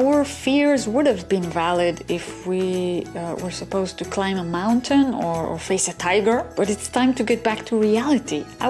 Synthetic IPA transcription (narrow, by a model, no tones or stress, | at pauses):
wə˞fɪɹzwʊɾɨvbɨ̃nvælˠɪdɪfwi | wə˞səpoʊztʰɨkʰl̥ãɪ̃məmãʊ̃ntʰɨ̃nə˞ə̰˞feɪsɨtʰaɪɡə˞b̥ʌɾɨtstʰãɪ̃mtʰɨɡɛt̚b̥æk̚tʰuɹiælˠɨtia